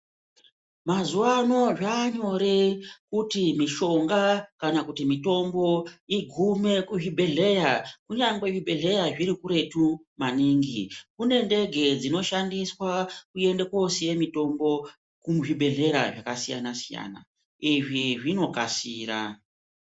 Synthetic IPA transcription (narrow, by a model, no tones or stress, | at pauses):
mazuwano̞ʐaːɲo̞ɾekutimiʃo̞ŋɡakanakutimito̞mbo̞iɡʱume̞kuʐibʱe̞ɮe̞jakuɲaŋɡwe̞ʐibʱe̞ɮe̞jaʐiɾikuɾe̞tumaniːŋɡḭkune̞nde̞ɡʱe̞d͡zino̞ʃandiswakue̞ndeko̞sije̞mito̞mbo̞ | kumʐibʱe̞ɮe̞ɾa̰ʐakasija̰nasija̰ːna̰ | iʐiʐino̞kasiːra